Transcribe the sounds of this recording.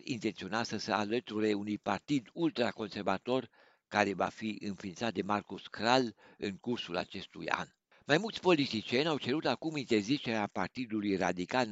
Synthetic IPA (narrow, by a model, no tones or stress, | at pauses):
ḭnt̪e̞nt̪sio̞nat̪səsəalət̪uɾeunujpart̪id̪ult̪ɾako̞nse̞rvat̪o̞r | kaɾe̞va̰fiɨnfiːnt̪sat̪̚d̪e̞markuskɾalɨ̰ŋkursula̰t͡ʃe̞st̪ṵja̰n | majmult̪sʲpo̞lit̪it͡ʃienʲawt͡ʃe̞ɾut̪akumint̪e̞rzit͡ʃeɾeapart̪id̪ulujrad̪ikal